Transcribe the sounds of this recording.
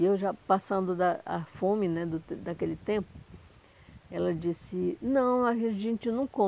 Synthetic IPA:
ewʒapasɐ̃nd̪ʊd̪ɐɐ̰fõmɪnɛd̪ʊd̪ɐkelɪt̪ẽpʊ | ɛlɐd͡ʒisɪnɐ̃w̃ɐɦẽʒẽnt͡ʃinɐ̃w̃kõ

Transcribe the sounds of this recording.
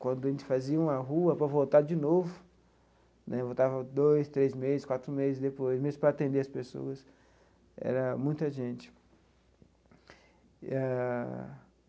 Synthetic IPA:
kwɐ̃nd̪ʊɐʒẽnt͡ʃɪ̥faziɐũɐɦuɐpɾɐvowt̪aɾd͡ʒɪnovʊ | nʔɛvowt̪avɐd̪ojst̪ɾezmezɪskwat̪ɾʊmezɪzd̪epojsmezɪspɾɐaːt̪ẽnd̪eɐspeso̰ɐs | ɛ̰ɾɐmũj̃t̪ɐʒẽt͡ʃɪ̥ | a

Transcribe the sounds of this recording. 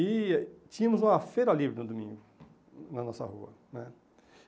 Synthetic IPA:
it͡ʃĩɲɐ̃mʊzũmɐfejɾɐlibɾɪnʊd̪umĩŋɡʊ | nɐnɔsɐ̰huɐ̰ | nɛ

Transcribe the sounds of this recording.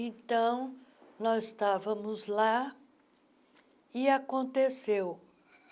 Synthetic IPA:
ẽnt̪ɐ̃w̃nɔzɪst̪avɐ̃mʊzla | ɪakõnt̪esew

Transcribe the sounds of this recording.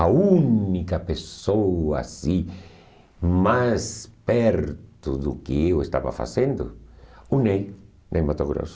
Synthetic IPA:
aunikapesoa̰si | maspɛɾt̪uðukɪewest̪a̰βa̰fa̰sẽnd̪ʊ̰unej | nejmat̪oɣɾo̰ws

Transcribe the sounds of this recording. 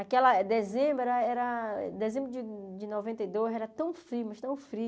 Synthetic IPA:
akɛlɐd̪ezẽbɾɐɛɾɐ̰d̪ezẽmbɾʊd͡ʒɪd͡ʒɪnɔvẽnt̪ɐijd̪ozɛɾɐt̪ɐ̃w̃fɾiumɐʃt̪ɐ̃w̃fɾi

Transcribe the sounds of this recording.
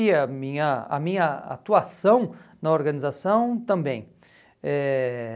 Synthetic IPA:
iɐmĩɲɐɐ̰mĩɲɐa̰t̪uasɐ̃w̃nɐoɾɡɐ̃nizasɐ̃w̃t̪ɐ̃mbẽj̃ | ɛ

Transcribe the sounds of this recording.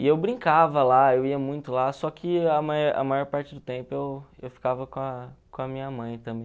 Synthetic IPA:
ɪewbɾĩŋkavɐlaewiɐmũj̃t̪ʊlasɔkʰɪɐmajɔɾʔɐ̰majɔɾpaɾt͡ʃɪd̪ʊt̪ẽmpʊewewfi̥kavɐkõɐkõɐmĩɲɐmɐ̃j̃t̪ɐ̃mbẽj̃

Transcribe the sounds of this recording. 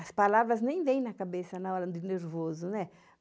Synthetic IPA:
ɐspalavɾɐznẽj̃vẽj̃nɐkabesɐnɐɔɾɐd̪ɪneɾvozʊnɛ

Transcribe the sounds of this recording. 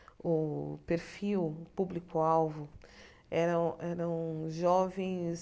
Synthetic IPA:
ʊpeɾfiwpublikʊawvʊ | ɛɾɐ̃w̃ɛɾɐ̃w̃ʒɔvẽj̃s

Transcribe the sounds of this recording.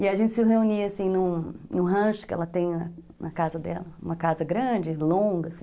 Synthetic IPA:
ɪaʒẽnt͡ʃɪsɪɦeuniasĩnũnʊ̃ɦɐ̃ʃʊ̥kɪɛ̰lɐt̪ẽj̃nɐ | nɐkazɐd̪ɛ̰lɐũmɐkazɐɡɾɐ̃d͡ʒɪlõɡɐsĩ

